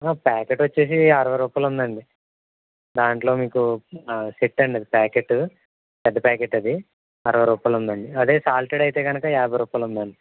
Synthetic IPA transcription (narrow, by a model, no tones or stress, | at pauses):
aːpaːkeʈʋɐt͡ʃːe̞ːs̬iɐɾɐʋɐɾuːpɐlund̪ɐɳɖi | d̪aːɳʈlo̞ːmiːkusiʈːɐɳɖɐd̪ipaːkeʈːu | pɛd̪ːɐpaːkeʈːɐd̪i | ɐɾɐʋɐɾuːpɐlund̪ɐɳɖiɐd̪e̞ːsaːlʈeɽɐjt̪e̞ːɡɐnɐkɐjaːbɐɾuːpɐlund̪ɐɳɖi